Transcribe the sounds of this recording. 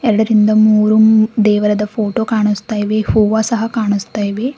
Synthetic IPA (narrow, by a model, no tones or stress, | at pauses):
ɛɾɐɽɐɾind̪ɐmuːɾumd̪ɛːʋɐɾɐd̪ɐpʰoːʈoːkaːɳust̪aːjiʋehuːʋaːsɐɦɐkaːɳust̪aːjiʋe